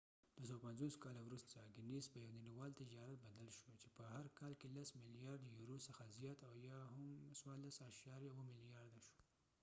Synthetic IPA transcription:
d̪̥was̬awapanzoskɑlawɾust̪aɡɪnesbajawniniwɑlt̪ɪd͡ʒɑɾat̪̚bad̪alʃot͡ʃepəhaɾkɑlkelasmɪlijɑɾd̪juɾosəxazjɑt̪awjɑhamswɑɾlasaʃɑɾjawəmɪlijɑɾd̪aʃo̥

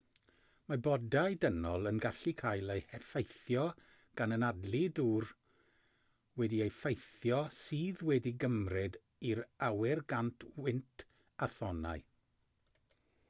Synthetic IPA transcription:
mabɔdajdənɔlˠənɡaɬikʰajlˠejhɛfejθjɔ | ɡ̥anənadliduːr | wɛdiejfejθjɔsiːðwɛdiɡəmrɪd | iɾawɪrɡantʰwɪntʰ | aθɔna̰ɨ

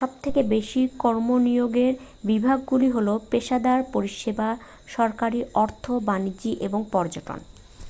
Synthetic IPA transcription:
ʃɔb̚t̪ʰekebeʃikɔɾmonioɡeɾ | bibʱaɡːuliɦolopeʃad̪aɾpoɾiʃeba | ʃɔɾkaɾiɔɾt̪ʰobanid͡ʑiʔeboŋpɔɾd͡ʑoʈo̰n

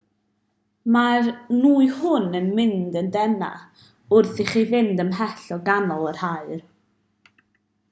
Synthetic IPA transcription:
marnuːɨhʊnənmɪndəndɛna̰ | ʊrθiχivɪndəmɦɛɬɔɡanɔlˠər̥haɨr

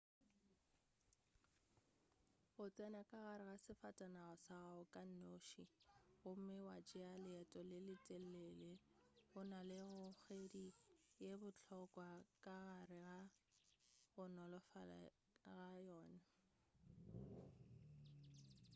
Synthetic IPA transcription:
ɣʊt͡sʼɛnakʼaɣaɾɪɣasɪfatʼanaɣʊsaɣaʊkʼan̩noʃiɣʊm̩mɪwad͡ʒɪalɪɛtʼɔlɪlɪtʼɛl̩ɛleɣʊnalɪɣʊk͡xedijebʊt͡ɬʰɔkʼwakʼaɣarɪɣa | ɣʊnɔlɔfala̰ | ɣajɔːna

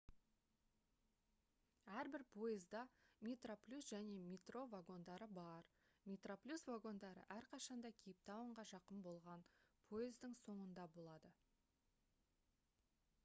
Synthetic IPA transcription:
æɾbɪɾpʰo̞jəzd̪ɑmʲet̪ro̞plʲusʒæne̞mʲet̪ro̞vaɡo̞nd̪ɑɾəbɑɾ | mʲet̪ro̞plʲusvaɡo̞nd̪ɑɾə̰ʔæɾqʰɑʃɑnd̪ɑkʲʰejɪp̚t̪ɑwəɴʁɑʒɑqəmbo̞lˠʁɑnpʰo̞jɪzd̪ɪŋso̞ɴənd̪ɑbo̞lˠɑd̪ə

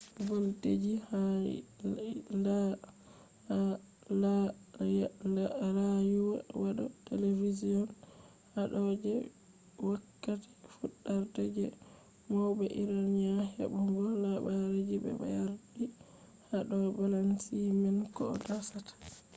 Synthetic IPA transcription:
boltḛd͡ʒiha | la | lajuwawaɗɔ̰televiziɔn | haɗɔd͡ʒɛ | wakːati̥fuɗːaɾtɛd͡ʒɛ | mɔwbɛʔiɾanɲahḛbuŋɡɔlabaɾed͡ʒibɛ̰ba̰jaɾdi | haɗɔbalansimɛnkɔ̰dasatḁ

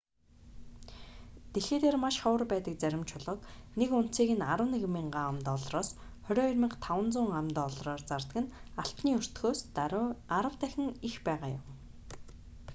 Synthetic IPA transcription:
t̪exeːt̪eːrmaʃχɔwə̆rpæːt̪ə̆k̚t͡sæɾʲɪ̆mt͡ɕʰʊɮʁɞ̆knekʊn̥t̪siːɣɘ̆naɾwə̆neɣmiːɴɢamt̪ɔɮrɔːs | χœɾʲɔːɵrʲmə̆ɴqt̪ʰawə̆nt͡sʊːŋamt̪ːɔɮrɔːrt͡sart̪ə̆ɡɘ̆naɬt̪niːɵr̥t̪ɡoːs | aɾə̆wt̪æxʲɪ̆ŋixpæːʁaːjʊ̰m

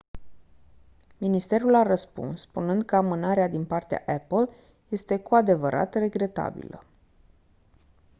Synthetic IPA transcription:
minist̪e̞ɾulaɾəspṵnspunɨnd̪kəamɨnaɾead̪inpart̪ea̰ʔepəl | je̞st̪e̞kuad̪e̞vəɾʔa̰t̪re̞ɡɾe̞t̪a̰bḭlə̰

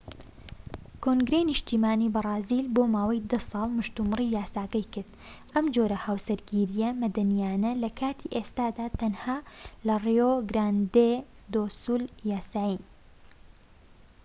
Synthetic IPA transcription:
kʰoŋɡɾejnɨʃt̪iːmaːniːbɐrˤɑːzilboːmaːwɐjd̪ɐsɑːlˠmɨʃt̪umɨriːjaːsaːɡɐjkɨɾd̪ʔɐmd͡ʒoɾɐhaːwsɐɾɡiɾijɐmɐd̪ɐnijaːnɐlɐkʰaːt̪ʰiʔeːst̪aːd̪aːt̪ɐnhaːlɐrioɡɾaːnd̪ed̪oːsuːljaːsaːjin

